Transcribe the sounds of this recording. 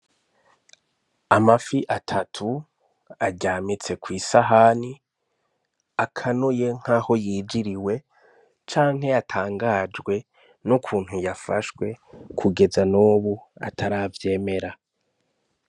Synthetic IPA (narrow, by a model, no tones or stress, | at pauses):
amafiʔatʰatʰu | aɟaːmit͡se̞kwiːsaɦani | akʰanuje̞ŋ̥haho̞jiːd͡ʒiɾiwe̞ | t͡ʃaːŋ̥ɦe̞jatʰaːŋɡad͡ʒɡwe̞ | nukʰuːn̥hujafaʃwe̞kʰuɡe̞zanuːβua̰tʰaɾaːvje̞ːme̞ɾa